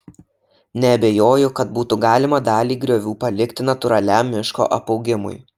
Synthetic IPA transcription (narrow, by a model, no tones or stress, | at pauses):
nʲɛɐbʲeːjoːjʊkɐt̪buːt̪ʊɡɑːlʲɪmɐd̪ɑːlʲiːɡɾʲoːʋʲuːpɐlʲɪkʲt̪ʲɪnɐt̪ʊɾɐlʲæˑmʲːɪʃko̰ːʔɐpɒʊɡʲɪmʊ̰j